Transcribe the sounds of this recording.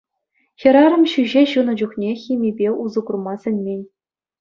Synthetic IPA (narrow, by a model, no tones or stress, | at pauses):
xʲĭɾɑɾɤ̆mɕyʑeɕunɤ̆d͡ʑuχnʲexʲimʲibʲeʔuzuɡurmɑsʲɘ̆nʲmʲenʲ